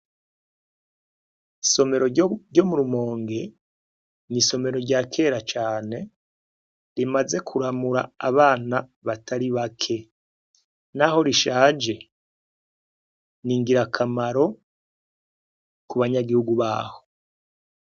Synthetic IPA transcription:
so̞me̞ɾoɟo̞muɾumo̞ːŋɡe̞ | niso̞me̞ɾo̞ɾɟaːkʰe̞ɾat͡ʃaːne̞ | ɾimaze̞kʰuɾamuɾa̰a̰βaːnaβatʰaɾiβakʰe̞ | naho̞ɾiʃaːd͡ʒe̞ | niːŋɡiɾakʰamaɾo̞ | kuβaɲaɡihuɡuβa̰ːho̞

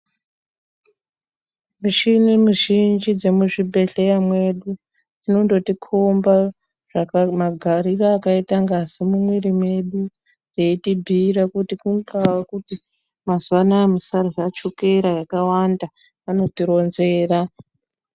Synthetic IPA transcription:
muʃinimuʒind͡ʒid͡ze̞muʐibʱe̞ɬe̞jamwe̞ɗu | d͡zinondo̞tikʰomba | ʐ̥akmaɡʱaɾiraːkaitaŋɡasemumweɾimwe̞ɗu | d͡zeitibʱiɾakutikuŋkawakuti | mazuwanamisaroat͡ʃokeɾajakawanda | ano̞tiɾo̞nze̞ːra

